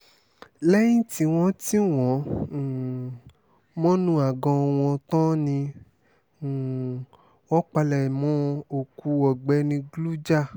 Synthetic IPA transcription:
lɛ˦jĩ˦ti˧w̃ɔ̃˧˦ti˦w̃ɔ̃˨˦˨ | mɔ̃˦nũ˦a˨ɡɔ̃˧w̃ɔ̃˧tɔ̃˦nĩ˧˨ | wɔ˦k͡pa˧lɛ˨mɔ̃˦o˨ku˧ɔ˨ɡ͡bɛ˨˦nĩ˧ɡlu˦d͡ʒa˦˨

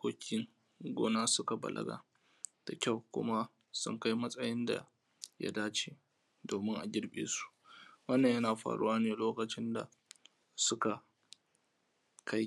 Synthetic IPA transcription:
kʷoː˦kʲʰɪ˦ŋ | ɡʷoː˦naː˦sʊ˦ka˨bɐ̰˨lʔɐ̰˦ɡa̰ː˨ | d̥a˨kʲa˦˨wkʷʊ̰˦ma˦ | sʊ̰˦ŋka˦jmɐ˦sʼɐ˦jɪ˦nda̰˨ | ja̰˦daː˦t͡ʃeː˦ | doː˨mɪ˦ŋʔa˨ɡʲɪ˦ɽɓḛː˨su̥˦ʔwɐ˦nːɐ˨ɲjɐ˦naː˨ɸa̰ː˨ɽṵ˦waː˦neː˨loː˦kɐ˨t͡ʃɪ˦nda̰˨ | sʊ˦ka˨ | kʰa˦j

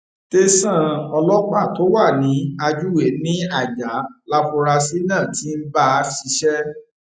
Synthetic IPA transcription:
te˧sã˦˨ɔ˧lɔ˦k͡pa˦˨to˨˦wa˦˨nĩ˨˦a˧d͡ʒu˦we˨˦nĩ˦a˦˨d͡ʒa˨˦la˦fũ˧ɾa˧si˦nãː˦˨ti˨˦n̩˦ba˦˧˦ʃi˨˧˦ʃɛ˦

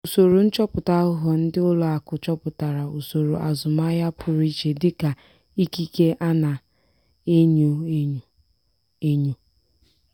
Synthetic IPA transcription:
u˨so˨ɾo˨n̩˦t͡ʃɔ˦pʊ˨ta˦ʊ˦ɦɔ˨n̩˦dɪ˦ʊ˦lɔ˨a˨kʊ˨t͡ʃɔ˦pʊ˨ta˨ɾa˨u˨so˨ɾo˨ʔa˨zʊ˨ma˦ja˦pʰʊ˨ɾi˦t͡ʃe˨dɪ˦ka˨ | i˦ki˦ke˦ʔa˦na˨ | e˦ɲo˦e˦˨ | e˦ɲo˦

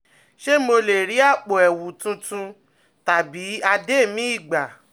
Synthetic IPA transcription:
ʃe˦mo˧le˨ɾi˨˦a˦˨k͡po˨ɛ˨wu˨tũ˧tũ˧ | ta˨bi˨˦a˧de˦˨mĩ˦i˦˨ɡ͡ba˨

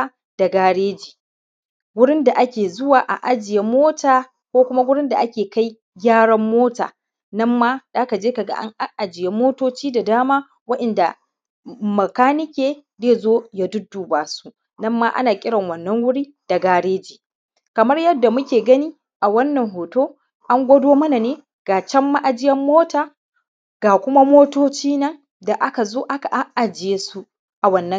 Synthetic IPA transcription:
d̥a˨ɡaː˦ɽeː˦d͡ʒiː˨ | wʊ˦ɽɪ˦nda˨ʔa˦kʲeː˨zʊ˦waː˨ʔa̰˨ʔa˦d͡ʒɪ˨je˦mːoː˦taː˨ | kʷoː˦kʷʊ˦ma˦wʊ˦ɽɪ˦nda˨ʔa˦kʲeː˨ka˦j | ɡʲaː˦ɽɐ˦mːoː˦ta̰ː˨ | nɐ˦mːaː˦daː˦ka˨d͡ʒeː˦ka˨ɡa̰˦ʔa̰˦ŋʔa˦ʔa˨d͡ʒɪ˨je˦mːoː˦toː˦t͡ʃiː˦da˨daː˦maː˦ | wɐ˦ʔɐ˨nda˨ | mɐ˨kaː˦nɪ˦kʲeː˨deː˦zoː˦jaː˦dʊ˦dːuː˨baː˨su˦ | nɐ˦mːa˦ʔa̰˦naː˨kʲʼɪ˦ɽɐ˨ŋwɐ˨nːɐ˦ŋwʊ˦ɽiː˦ | d̥a˨ɡaː˦ɽeː˦d͡ʒiː˨ | kɐ˨mɐ˦rjɐ˦dːa˨mʊ˦kʲeː˨ɡɐ˦niː˦ | ʔa˨wɐ˦nːɐ˨ŋɦoː˨toː˦ | ʔa˦ŋɡʷɐ˦doː˦mɐ˦na˨neː˦ | ɡ̥aː˨t͡ʃɛ˦mːa˦ʔa˨d͡ʒɪ˦jɐ˦mːoː˦taː˨ | ɡ̥aː˨kʷʊ˦ma˦moː˦toː˦t͡ʃiː˦nɐ˦ŋ | da˨ʔa˦ka˨zoː˦ʔa˦ka˨ʔa˦ʔʔa˨d͡ʒɪ˨jeː˦su˦ | ʔa˨wɐ˨nːɐ˦

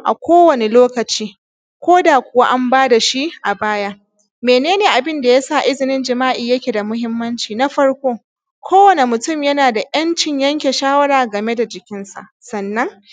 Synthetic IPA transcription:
ʔa̰˨kʷoː˦wɐ˨ne˨loː˦kɐ˨t͡ʃiː˦ | kʷoː˦daː˨kʷʊ˨wa˦ʔa˦mbaː˦da˨ʃi˦ʔa˨baː˦ja˦ | meː˨neː˦neː˨ʔa˨bɪ˦nda˨jaː˦sa˦˨ʔɪ˦zɪ˨nɪ˦nd͡ʒɪ˨maː˦ʔiː˨jɐ˦kʲe˨da˨mʊ˦hɪ˦mːɐ˦nt͡ʃiː˨na˦ɸɐ˦ɽkʷoː˦ | kʷoː˦wɐ˨ne˨mʊ˨tʊ˦mjɐ˦naː˨da˨ʔjɐ˦nt͡ʃɪ˨ɲjɐ˦ŋkʲe˨ʃaː˦wɐ˦ɽaː˨ɡɐ˨me˦da˨d͡ʒɪ˨kʲɪ˦nsa̰˨ʔsɐ˨nːɐ˦ŋ

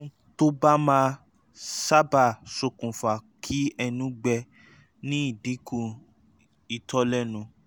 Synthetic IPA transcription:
to˦ba˦mãː˦ | sa˦ba˦˨so˧kũ˨fa˨kʰi˦ɛ˧nũ˦ɡ͡bɛ˧ | nĩ˦i˦˨di˨˦kũ˦˨ | i˨tʰɔ˦lɛ˦nũ˧

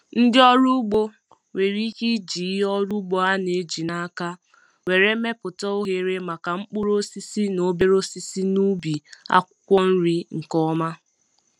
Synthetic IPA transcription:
n̩˦dɪ˦ɔ˦ɾu˦ɡ͡bo˦ | we˨ɾi˦ki˦d͡ʒi˨˦ɦɔ˦ɾu˦ɡ͡bo˦a˦ne˨˦d͡ʒi˨na˦ka˦ | we˨ɾe˦me˦pʊ˨tɔ˦o˦ɦe˨ɾe˦ma˨ka˨ŋ͡m̩˦k͡pu˦ɾo˦si˦si˦no˨be˦ɾo˦si˦si˦nu˦bi˨a̰˦kʷʊ˦kʷɔ˦n̩˦ɾi˦ŋ̩˨kɔ˦ma˦

